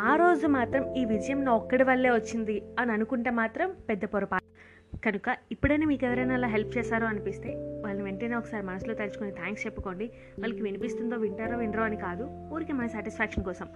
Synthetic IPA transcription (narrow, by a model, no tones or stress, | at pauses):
aːɾo̞ːd͡ʒumaːt̪ɾɐmiːʋid͡ʒɐjɐmnoɔkːɐɽiʋɐɭːe̞ːʋɐt͡ʃːind̪iɐniɐnukuɳʈe̞ːmaːt̪ɾɐmpɛd̪ːɐpɔɾɐpaːu | kɐnukɐipːuɽɐjniːmiːkeʋɐɾɐjnaːlaːɦelp̚ʰt͡ʃɛːsaːɾoːɐnipist̪e̞ːʋaːɭɐniʋeɳʈeːne̞ːɔkɐ̥saːɾimɐnɐsulo̞ːt̪elisu̥konit̪ʰaːŋkst͡ʃɛpːɐko̞ːɳɖi | ʋɐːɭːɐkiʋinipist̪und̪o̞ːʋiɳʈaːɾoːʋiɳɾoːɐnikaːd̪u | oːɾikemɐnɐsaːʈispʰaːkʂɐnkɔːsɐm